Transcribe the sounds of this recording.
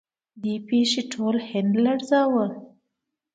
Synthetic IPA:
d̪epeʃeʈʰolhɪnd̪laɽzawə

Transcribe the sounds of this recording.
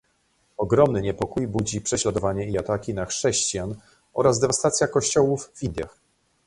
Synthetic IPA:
ɔɡɾɔmnɘɲɛpɔkujbud͡ʑipʂɛɕlad̪ɔvaɲɛiat̪akʲinaxʂɛɕt͡ɕijan | ɔ̰ɾazd̪ɛvast̪at̪sʲjakɔɕt͡ɕɔwuvvind̪ʲja̰x

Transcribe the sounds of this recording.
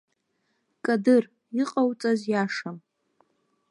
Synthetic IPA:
kʼadɨr | iqʼawt͡sʼazjaʂam

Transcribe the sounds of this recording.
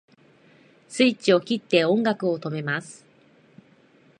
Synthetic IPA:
sɨit͡ɕio̞kʲit̪ːe̞õ̞ŋɡakɯ̟o̞t̪o̞me̞masɨ̥

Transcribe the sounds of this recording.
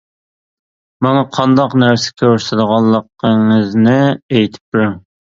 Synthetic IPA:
mɑŋɑqʰɑnd̪ɑqnæɾsɪ̥kʲʰøɾsɪd̪əʁɑlˠːəqːəŋɨznɪejt̪ʰɪ̥p̚d̪yɾyŋ

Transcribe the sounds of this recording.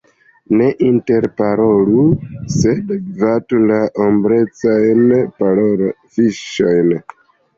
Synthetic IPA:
ne̞ʔinte̞ɾpaɾoluse̞dvatulaʔombɾe̞t͡sajnpaɾoɾ | fiʃo̞jn

